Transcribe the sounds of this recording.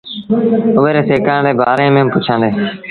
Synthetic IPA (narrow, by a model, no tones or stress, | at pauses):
ʊʋeːɾeːseːkaːɳdeːbaːɾeːmẽːmpʊt͡ʃʰãːnd̪eː